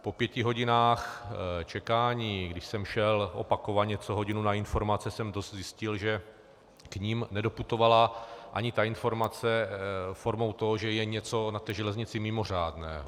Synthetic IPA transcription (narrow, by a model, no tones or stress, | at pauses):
po̞pjɛcɪɦo̞ɟɪnaːxt͡ʃɛkaːɲiːɡdɪʃsɛmʃɛlʔo̰pakovaɲɛt͡soɦo̞ɟɪnunaɪnfo̞ɾmat͡sɛsɛmdost̪zjɪscɪlʒɛ | kɲimnɛdo̞put̪o̞valaʔa̰ɲɪt̪aɪnfo̞ɾmat͡sɛfo̞ɾmowt̪oɦʒɛjɛɲɛt͡so̞nat̪ɛːʒɛlɛzɲɪt͡sɪmɪmo̞r̝aːdnɛ̰ːɦo